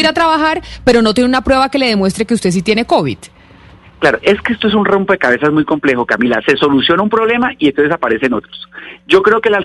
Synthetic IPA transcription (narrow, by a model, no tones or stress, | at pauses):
iɾat̪ɾaβaxaɾpe̞ɾo̞not̪je̞neunapɾwe̞βake̞le̞ðemwe̞st̪ɾekeust̪e̞s̬it̪je̞neko̞βḭð̥ | klaɾoʔe̞skeest̪oe̞sunrompoðe̞kaβe̞saezmujko̞mple̞xo̞kamila̰se̞so̞lusjo̞naumpɾo̞βle̞maient̪osesapaɾe̞seno̞t̪ɾosd͡ʒo̞kɾe̞okela